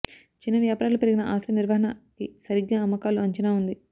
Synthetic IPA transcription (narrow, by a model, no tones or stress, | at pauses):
t͡ʃinːɐʋjaːpːɾaːlupeɾiɡinɐʔaːsɐniɾʋɐɦɐɳɐkisɐɾiɡːaːɐmːɐkaːluɐɲt͡ʃɐnaːund̪i